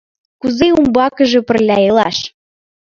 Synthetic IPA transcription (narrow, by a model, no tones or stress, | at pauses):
kuzeumbɑkə̆ʒĕpə̆rlʲæjelɑʃ